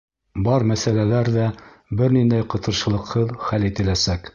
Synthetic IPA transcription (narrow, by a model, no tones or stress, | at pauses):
bɑɾmæsælælæɾðæ | bɘɾnind̪æjqɤ̆t̪ɤ̆ɾʃɤ̆lˠɤ̆qhɤðχælit̪ɘ̆læsæk